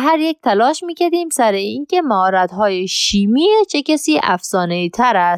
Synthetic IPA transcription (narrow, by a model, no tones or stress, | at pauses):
ɦæɾjek̚ʲt̪ʰælɒːʃmiːkʲæɾd̪iːmsæɾeiːnke̞mæhɒːɾæt̪ɦɒːjeʃiːmiːet͡ʃʰecʲæsiːʔæ̰fsɒːneiːt̪ʰæɾæst̪